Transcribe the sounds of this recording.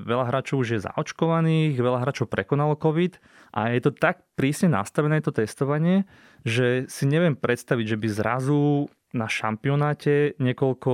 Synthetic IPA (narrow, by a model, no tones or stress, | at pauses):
ʋɛʎaɦɾaːt͡ʃɔʊuʒjɛza̰ɔt͡ʃkɔʋaniːɣʋɛʎaɦɾaːt͡ʃɔʊpɾɛkɔnalɔkɔʋit̪ | ʔa̰jɛt̪ɔt̪ak̚pɾiːsɲɛna̰st̪aʋɛnɛːɛt̪ɔt̪ɛst̪ɔʋaɲɪɛ | ʒɛsiɲɛʋɪɛmpɾɛt̪st̪aʋiɟʒɛbizɾa̰zu | naʃa̰mpiɔnaːcɛɲɛkɔlkɔ